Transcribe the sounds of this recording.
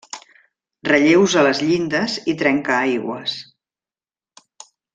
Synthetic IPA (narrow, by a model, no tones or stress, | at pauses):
rəʎewzələzʎind̪əzit̪ɾɛŋkəajɣwə̰s